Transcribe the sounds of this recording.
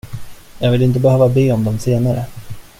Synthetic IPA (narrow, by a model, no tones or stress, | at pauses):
jɑːɡvɪlɪnt̪̬əbɛhøːvabeːɔmd̪ɔmseːnaɾə̰